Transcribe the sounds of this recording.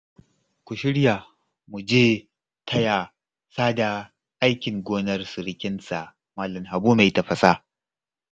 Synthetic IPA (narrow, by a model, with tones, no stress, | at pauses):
kʷu˨ʃɪ˦ɽja˨ | mu˨d͡ʒeː˦ | tʰɐ˦ja˨ | saː˦da˨ | ʔa˦jkʲɪ˨ŋɡʷoː˦nɐ˦rsɪ˨ɽkʲɪ˦nsa˨ | maː˦lɐ˨mɦa˨buː˦ma˨tɐ˨ɸɐ˨sa˦